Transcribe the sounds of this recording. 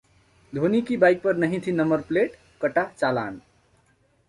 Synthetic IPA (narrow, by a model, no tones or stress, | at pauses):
d̪ʱonikibajk̚pəɾnəɦĩt̪ʰinəmbəɾpleʈ | kəʈat͡ʃala̰ːn